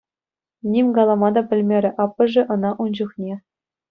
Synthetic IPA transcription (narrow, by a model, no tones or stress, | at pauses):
nʲimʲɡɑlˠɑmɑd̪ɑpʲɘ̆lʲmʲeɾʲɘ̆ʔɑpːɤ̆ʐɘ̆ʔɤ̆nɑʔund͡ʑŭχnʲe